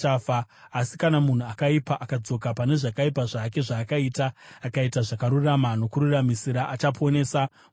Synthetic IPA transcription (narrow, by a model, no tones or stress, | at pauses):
afaːsikanamun̤uakaipaʔakad͡zo̞kapane̞ʐakaipaʐaːke̞ʐaːkaitaːkaitaʐakaɾuramano̞kuɾuramisiɾaʔat͡ʃapone̞ːsa